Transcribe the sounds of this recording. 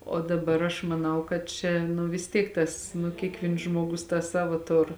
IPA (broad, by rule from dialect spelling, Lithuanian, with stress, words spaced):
oː dɐˈbɐr ɐʃ mɐˈnɐʊ kɐt ˈt͡ʃʲɛ nʊ ʋʲɪs ˈtʲiɛk ˈtɐs nʊ ˈkʲiɛkˌʋʲiːns ˈʒmoːɡʊs tɑː ˈsɑːʋoː ˈtʊr